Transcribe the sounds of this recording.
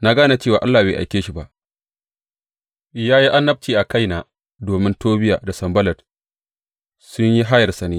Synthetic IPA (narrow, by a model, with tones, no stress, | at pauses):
na˦ɡaː˦na˨t͡ʃeː˦˨waː˨ʔa˦lːaː˨beː˨ʔa̰˨jkʲeː˦ʃi˨ba˦˨ʔ | jaː˦ji˦ʔa˦nːɐ˦b̚t͡ʃiː˨ʔa˨ka˦jnaː˨ | doː˨mɪ˦ntoː˦bɪ˦ja̰ː˨da˨sɐ˨mbɐ˦lɐ˨d | sʊ˦ɲji˦ɦa˦jɐ˨rsɐ˨neː˦